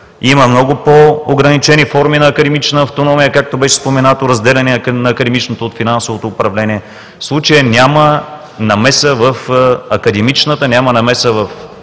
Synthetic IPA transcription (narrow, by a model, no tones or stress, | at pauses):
iməmnɔɡʊpoːɡɾɐnit͡ʃɛnifɔɾminɐːkɐd̪ɛmit͡ʃnəːft̪onɔmijəkak̚t̪obɛʃɛ̥spomɛnat̪oɾɐzd̪ɛlʲɛnɛnɐːkɐd̪ɛmit͡ʃnot̪oːt̪finansovot̪oːpɾɐvlɛnʲiɛ | fslˠut͡ʃəjənʲamə | nɐmɛsəvɐfɐkɐd̪ɛmit͡ʃnət̪ənʲamɐnɐmɛsəvɐf